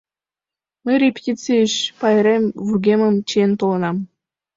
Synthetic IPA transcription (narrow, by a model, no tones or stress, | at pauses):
mɘ̆jrʲepʲtʲit͡siəɕpɑjɾʲemvyɡʲemə̆mt͡ɕient̪olˠɤ̆nɑm